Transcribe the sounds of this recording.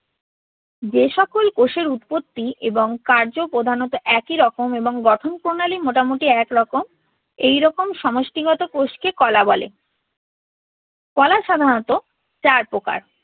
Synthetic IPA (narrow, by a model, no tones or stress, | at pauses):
d͡ʑeʃɔkolkoʃeɾut̪pot̪ːiʔeboŋkaɾd͡ʑopɾod̪ʱanɔt̪oʔɛkiɾɔkomeboŋɡɔʈʰonpɾonalimoʈamoʈiɛkɾɔkom | ejɾɔkomʃɔmoʃʈiɡɔt̪okoʃkekɔlabɔlḛ | kɔlaʃad̪ʱanɔt̪o | t͡ɕaɾpoka̰ɾ